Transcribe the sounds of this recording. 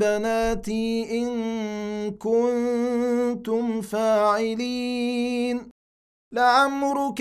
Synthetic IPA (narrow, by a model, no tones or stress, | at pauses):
banaːt̪iːʔɪŋ | kʊn | t̪ʊmfaːʕɪliːn | laʔamɾʊk